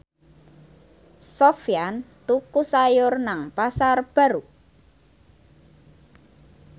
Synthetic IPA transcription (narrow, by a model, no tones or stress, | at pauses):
sɔfiant̪ukusajʊrnaŋpasarb̥a̤ɾu